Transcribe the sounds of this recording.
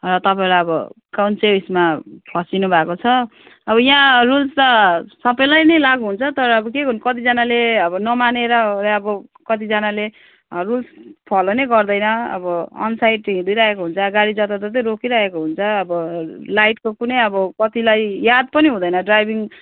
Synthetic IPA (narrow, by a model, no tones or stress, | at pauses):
rʌt̪ʌpaẽlajʌbʌkawnsebismapʰʌsinubʱakot͡sʰʌ | ʌbʌjãrulst̪ʌsʌbʌjlajnʌjlaɡuɦunt͡sʰʌt̪ʌɾʌːbʌkeɡʌnkʌt̪id͡zʌnaleʌbʌnʌmaneɾʌɾeʌbʌkʌt̪id͡zʌnale | rulspʰʌlonʌjɡʌrd̪ʌjnʌʌ̰bʌʌ̰nsajʈːiĩd̪ujɾaɦekoɦunt͡sʰʌɡaɽid͡zʌt̪at̪ʌt̪̬ʌɾokiɾʌɦekoɦunt͡sʰʌːbʌlajʈkokunʌjʌbʌkʌt̪ilajjad̪̚pʌniɦũd̪ʌjnʌɖrajbiŋ